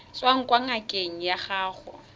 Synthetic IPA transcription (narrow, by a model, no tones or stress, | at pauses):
swaŋ̩kʼwaŋ̩akʼeŋ̩jaχaːχɔ